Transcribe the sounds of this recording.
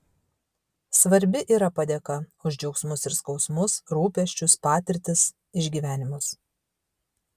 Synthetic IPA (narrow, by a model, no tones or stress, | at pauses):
sʋɐɾʲbʲɪʔiːɾɐpɐd̪ʲekɐʊʒʲd͡ʒʲɛʊksmʊsɪɾskɒʊsmʊsɾuːpʲɛʃʲt͡ʃʲʊspɑːt̪ʲɪɾʲt̪ʲɪs | ɪʒʲɡʲiːʋʲæːnʲɪmʊs